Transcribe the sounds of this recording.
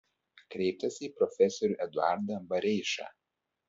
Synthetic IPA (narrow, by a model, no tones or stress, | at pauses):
kɾʲɛɪp̚t̪ɐsʲiːpɾɔfʲɛsɔɾʲuːʔɛd̪ʊɑ̰ˑɾd̪ɐbɐɾʲɛɪʃɑ̰ː